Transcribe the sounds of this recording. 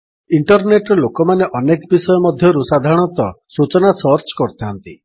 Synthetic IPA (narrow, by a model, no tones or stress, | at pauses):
iɳʈɔɾneʈɾɔlokɔmaneʔɔnekbisɔjɔmɔd̪ʱjɔɾusad̪ʱaɽ̃ɔt̪ɔsut͡ʃɔnasɔɾt͡ʃkɔɾt̪ʰaɔnt̪i